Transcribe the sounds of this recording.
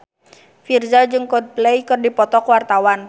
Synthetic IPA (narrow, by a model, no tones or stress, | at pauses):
firzad͡ʒɨŋkɔd̪̚plɛjkɨrdipɔt̪ɔkwart̪awan